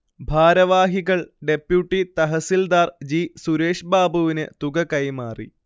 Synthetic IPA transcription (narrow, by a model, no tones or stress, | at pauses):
bʱaːɾɐʋaːɦiɣɐɭɖe̞pjuʈːit̪ɐɦɐsild̪aːrd͡ʑisuɾeːʂbaːbuʋinɨt̪uɡɐkɐjmaːrḭ